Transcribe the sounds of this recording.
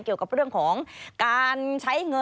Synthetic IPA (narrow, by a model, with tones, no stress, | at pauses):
ki˨˩əwka˨˩p̚ɾɯ˥˩əŋkʰɔː˩˦ŋkaː˧nt͡ɕʰa˦˥jŋɤ˧